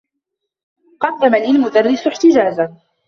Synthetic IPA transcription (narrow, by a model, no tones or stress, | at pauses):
qɑd̪ːamalɪlmʊd̪arːɪsʊħt̪ɪd͡ʒaːza